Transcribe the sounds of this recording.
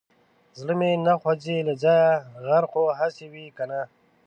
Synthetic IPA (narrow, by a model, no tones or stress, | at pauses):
zɽəmenaxwad͡ʑelad͡ʒajaɣaɾqoɦasewikana